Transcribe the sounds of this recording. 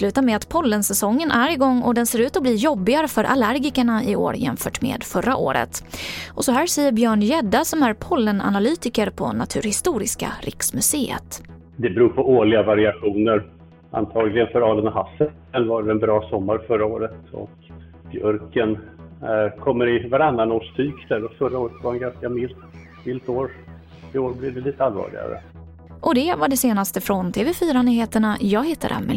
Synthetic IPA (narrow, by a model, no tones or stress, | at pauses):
slʉ̟ːt̪amɛat̪pʰɔlːənsɛsɔŋːənʔæɾɪɡɔŋːɔ̰d̪ɛnseːɾʉ̟ːt̪ɔbliːjɔbːɪɡaɾəfœɾʔa̰læɾɡɪkəɳaɪo̰ːɾjɛ̰mfœːʈmḛːd̪fœɾːa̰ʔo̰ːɾə̰t̪ʔɔsɔɦæːʂɛjːəɾbjœːɳjɛd̪ːasɔmæɾpʰɔlːəna̰nalyːt̪ɪkəɾpʰɔ̰nat̪ʰʉ̟ːɾhɪst̪uːɾɪska̰ɾʔɪ̰ksmɵseːə̰t̪ | d̪ɛbɾuːɾpʰɔoːɭɪɡavaɾɪaɧuːnəɾ | ʔa̰nt̪ʰɑːɡlɪɡənfœɾɑːlənɔɦasːə | ɛnvaɖɛɛnbɾɑːsɔmːaɾfœɾaoːɾət̪ɔ̰k | bjœɾkən | kʰɔmːəɾɪvaɾanːanoːʂt̪ʰyːkd̪æɾɔfœɾaoːɾət̪vaɾɛnɡanskamɪlt̪ | mɪlt̪oːɾ | ɪoːɾblɪvd̪ɛliːt̪ːəalvɑ̰ːlɪ̰ɡa̰ɾə̰ | ʔɔd̪ɛvaɖɛseːnast̪əfɾɔnt̪ʰeːvɛfyːɾanyːheːt̪əɳajɑːɡhɪt̪ʰːad̪ə̰a̰mɛ̰